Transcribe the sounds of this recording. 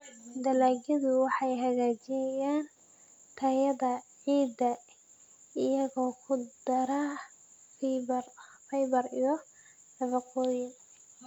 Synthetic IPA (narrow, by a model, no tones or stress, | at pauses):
d̪ɐlaːɡjɐðʊwɑħɑjɦɐɣaːt͡ʃɪnɐjaːn | t̪ʰɐjɐðɐʕiːd̪ɐ | ɪjɐɣɔːkʰʊd̪ɐɾa | fɛjbɐrijɔ | nɐβɑqɔːjɪŋ